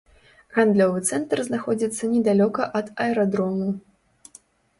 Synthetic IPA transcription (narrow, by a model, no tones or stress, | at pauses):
ɣand̪lʲɔvɨt̪sɛnt̪rznaxɔd͡zʲit̪sːɐnʲɛd̪alʲɔkɐʔɐd̪ɐɛɾad̪ɾɔmu